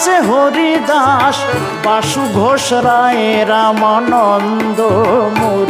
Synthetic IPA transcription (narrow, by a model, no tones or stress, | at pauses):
t͡ʃeɦoɾid̪aʃ | baʃuɡʱoʃɾaeɾamanɔn | d̪omoɾ